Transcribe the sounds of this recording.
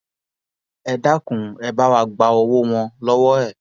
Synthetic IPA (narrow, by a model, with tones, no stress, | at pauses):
ɛ˧da˦kũ˨ɛ˧ba˦wa˧˨ɡ͡ba˧ɔ˧wo˦w̃ɔ̃˧lɔ˦wɔ˦ɛ˦˨